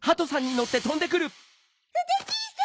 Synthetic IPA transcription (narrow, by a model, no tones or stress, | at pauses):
hat̪o̞sãɲ̟ːino̞t̪ːe̞t̪õ̞nd̪e̞kɯ̟ɾɯ̟